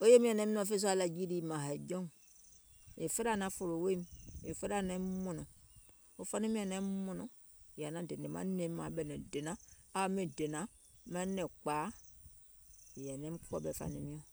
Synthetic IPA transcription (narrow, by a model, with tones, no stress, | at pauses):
o˦je˦mĩ˦a˨nɛ˨˦m˦nɔ˦˨fe˦s̬u˦a˦la˨d͡ʒi˦di˦˨ma˨ɦa˨d͡ʒɔ˦ŋ˨ | e˨fe˦ɾa˦˨nã˨˦fo˨ɾo˨we˦m˨e˨fe˦ɾa˦˨nɛ˦mo˦nɔ˨ | o˦fa˦ni˦mĩ˦a˨nɛ˦mo˦nɔ˨ | ja˨nã˨de˨ne˨ma̰˦ne˦m˦ma˨˦bɛ˨nɛ˨de˨na˦a˦me˨de˨nã˨ma˦nɛ˨k͡paː˨˦˨ | ja˨nɛ˨˦m˦kʰu˦ɔ̰˦˨bɛ˨fa̰˨ni˨mĩ˦ɔ˦˨